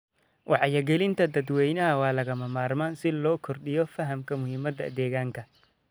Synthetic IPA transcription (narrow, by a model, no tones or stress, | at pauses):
wʔɑħjɐɡɛlɪnt̪ʰɐd̪ɐd̪wɛjnɐɦɐwɑːlɐɣɐmɐmaːrmaːnsɪlɔːkʰɔrɗɪjɔfɐɦɐmkʰɐmʊhɪːmɐd̪ɐ̰d̪ɛːɣaːŋkʰɐ